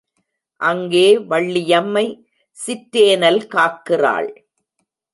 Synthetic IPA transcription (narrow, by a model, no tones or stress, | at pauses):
ʔɐŋɡeːʋɐɭːɪjɐmːɐɪ | sɪtːeːnɐlkaːʈ̚kɪra̰ːɭ